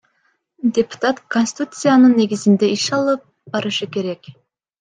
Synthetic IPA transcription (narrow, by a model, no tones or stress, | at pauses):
d̪ʲepu̥t̪at̪konsʲt̪ʲt̪ut̪sɨjanɯnːe̞ɡʲizind̪e̞iʃɑlˠɯp̚ | bɑɾɯʃɯke̞ɾe̞k